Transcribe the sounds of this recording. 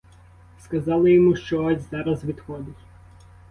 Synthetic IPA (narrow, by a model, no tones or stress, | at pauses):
skɐzɑlˠɪjɔmuʃt͡ʃɔɔzʲzɑɾɐzʋʲid̪xɔd̪ɪtʲ